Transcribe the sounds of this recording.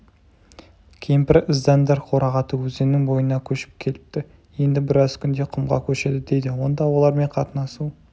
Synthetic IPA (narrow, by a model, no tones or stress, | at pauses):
kʲʰejɪmpɪɾəzd̪ɑnd̪ɑɾqʰo̞ɾɑʁɑt̪əwɵzenɪŋbo̞jənɑkʲʰɵʃɪ̥p̚kʲʰe̞lɪp̚t̪ɪ | je̞nd̪ɪbɪɾɑzkʲʰʏnd̪e̞qʰʊmʁɑ̰kʲʰɵʃe̞d̪ɪd̪e̞jd̪ɪwo̞nd̪ɑwo̞lˠɑɾme̞ɴqʰɑt̪ənɑsu